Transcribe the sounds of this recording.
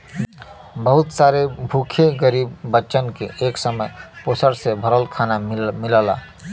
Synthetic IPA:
bəɦʊt̪saɾebʱukʰeɡəɾiːbːətːʃənkeʔeːksəməjpoːsəɾsebʱəɾəlkʰaːnamɪləla

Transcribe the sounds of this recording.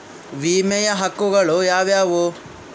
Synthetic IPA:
ʋiːmɛjɐɦɐkːuɡɐɭujaːʋjaːʋu

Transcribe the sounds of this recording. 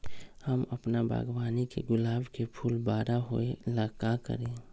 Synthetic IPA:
həmɐpnabʱa̰ːɡwaːnikḛɡʊlaːbkepʰuːlbaːɾaɦoelaːkakə̰ɾẽː

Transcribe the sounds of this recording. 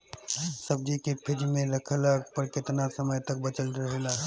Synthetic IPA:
səbd͡ʒikepʰɪd͡ʒmẽɾəkʰəlaɡpəɾkɪt̪nasəməjt̪ək̚bət͡ʃəlɾəɦelaɦ

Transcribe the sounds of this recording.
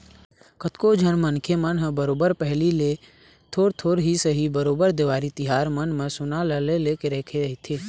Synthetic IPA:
kət̪kod͡ʒʱənmənkʰemənɦəbəɾoːbəɾpɛɦlile | t̪ʰoːɾt̪ʰoːɾɦisəɦibəɾoːbəɾd̪eʋaːɾit̪ɪɦaːɾmənmẽsʊnaləlelekeɾɛːkʰeɦit̪ʰeː

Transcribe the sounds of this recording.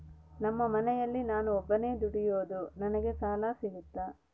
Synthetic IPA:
nɐmːɐmɐnɛjɐlːinaːnuɔbːɐne̞ːd̪uɽijoːd̪unɐnɐɡe̞saːlasiɡut̪ːa

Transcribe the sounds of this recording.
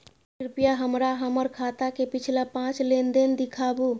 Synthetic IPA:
ɾpijaɦəmɾaɦəməɾkʰat̪akepit͡ʃʰilapãt͡ʃlend̪end̪ikʰabu

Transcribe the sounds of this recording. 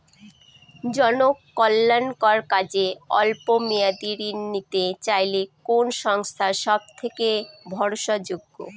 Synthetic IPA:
d͡ʑɔnokːɔlːankaɾkad͡ʑeɔ̰lpomijad̪iɾinːit̪et͡ɕajlekonʃɔŋst̪ʰaʃɔb̚t̪ʰekebʱɔɾʃad͡ʑoɡːo̰

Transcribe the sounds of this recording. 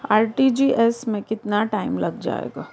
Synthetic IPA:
aːɾʈid͡ʒiʔɛsmẽkɪt̪naʈaːɪmlɐɡd͡ʒa̰ːḛːɡaː

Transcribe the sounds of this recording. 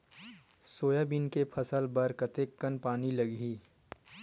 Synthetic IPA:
soːjabinkepʰɐsəlbɐɾkət̪ekːənpaːnilɐɡɦiː

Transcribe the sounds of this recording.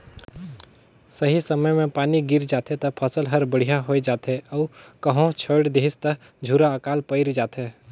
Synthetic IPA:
səɦisɐməjmẽpaːniɡɪɾd͡ʒaːt̪et̪ɐpʰəsəlɦɐɾbəɽ̤ijaɦoːed͡ʒaːt̪ɦeɔːɾkəɦõt͡ʃʰəːɽd̪eɦɪst̪ə | d͡ʒʱuːɾaəkaːlpəɪɾd͡ʒaːt̪ɦeː

